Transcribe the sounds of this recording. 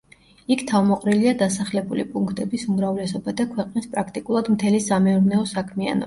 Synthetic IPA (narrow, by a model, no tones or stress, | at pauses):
ikʰt̪ʰavmɔqʼɾiliad̪asaχlɛbulḭpʼuŋkʰt̪ʼɛbisumɾavlɛsɔbad̪akʰwɛqʼnispʼɾakʰt̪ʼikʼulˠad̪mt̪ʰɛlisamɛuɾnɛɔsakʰmia̰nɔ̰